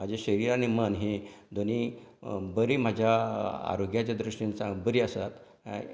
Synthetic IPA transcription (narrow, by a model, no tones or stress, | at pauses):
m̤ad͡ʑeɕəɾiːɾanimənɦed̪ʱoniːbəɾiːm̤ad͡ʑʱjaa̰ɾoɡjat͡ɕad̪ɾuʂinsabəɾiasat̪